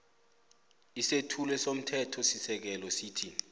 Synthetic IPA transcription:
isetʰulwɛsom̩tʰɛtʰɔsisɛk̬ɛlɔsiːtʰi

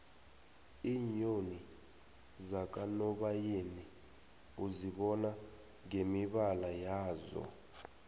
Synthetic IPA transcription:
iɲoni | zak̬ʼanɔɓajeni | uziɓɔna | ŋemiɓalajaːzɔ̰

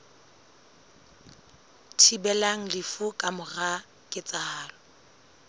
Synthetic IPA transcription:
tʰibɛlaŋ̩lɪfukʼamʊra | kʼɪt͡sʼahaːlɔ

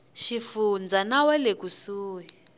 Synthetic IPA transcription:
ʃifund͡zanawɛlekusuːwi

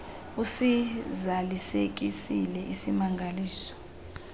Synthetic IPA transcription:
usizalisek̬ʼisilɛʔisimaŋɡʱaliːsɔ̥

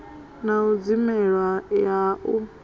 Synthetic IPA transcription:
naud͡zimɛɺwajaʔu

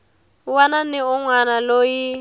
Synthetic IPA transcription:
wananɪʊŋwanaloji

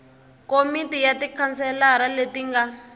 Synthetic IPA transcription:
komitijatikʰansɛlaɾaletiŋɡa

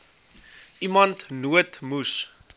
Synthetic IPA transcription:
ʔimɐntnuətmus

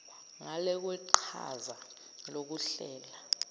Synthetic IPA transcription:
ŋalɛk̬wɛǃʰa̰za | lok̬uɬɛːla

